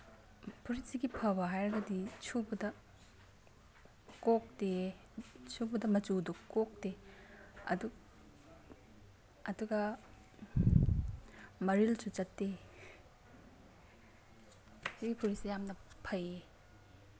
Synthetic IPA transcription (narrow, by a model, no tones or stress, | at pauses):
pʰuɾisiɡipʰɐbɐɦajɾɐɡɐdit͡ʃʰubudɐ | kok̚de | t͡ʃʰubudɐmɐt͡ʃudukok̚de | ɐ̰du | ɐduɡɐ | mɐɾilsut͡ʃɐtːe | siɡipʰuɾisijamnɐpʰɐje